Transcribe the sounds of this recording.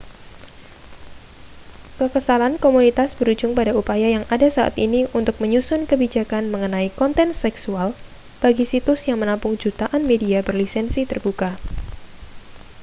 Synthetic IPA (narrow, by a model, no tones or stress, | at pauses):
kəkəsalankomunit̪asb̥əɾud͡ʒʊŋpadaupajajaŋadasaʔa̰t̪iniunt̪ʊk̚məɲusʊnkəbid͡ʒakanməŋənaikɔnt̪ɛnsɛksual | b̥aɡisit̪ʊsjaŋmənampʊŋd͡ʒut̪aʔanmediabərlisɛnsit̪ərbuka